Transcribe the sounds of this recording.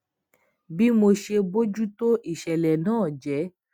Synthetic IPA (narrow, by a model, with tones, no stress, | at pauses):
bi˦mo˧ʃe˧bo˦d͡ʒu˦to˦ʔi˨ʃɛ˨lɛ˨nãː˦˨d͡ʒɛ˨˦